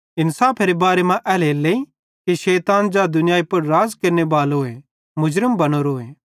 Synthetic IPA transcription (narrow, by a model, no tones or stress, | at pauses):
ɪnsaːpʰeɾebaːɾemãʔɛːleːleːi | kiʃɛːt̪aːnd͡ʒad̪ʊnɪjaːipɐɾɾaːzkɐɾnebaːlɦoːe | mʊd͡ʒɾəmbɐñoɾoːeː